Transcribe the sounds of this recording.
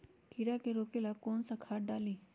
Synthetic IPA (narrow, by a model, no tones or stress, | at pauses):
kiɾakeɾoːkelakoːnsakʰaːʈ̚ɖaːliː